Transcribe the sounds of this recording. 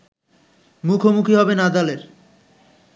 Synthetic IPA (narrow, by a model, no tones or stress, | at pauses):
mukʰomukʰiɦɔbenad̪aleɾ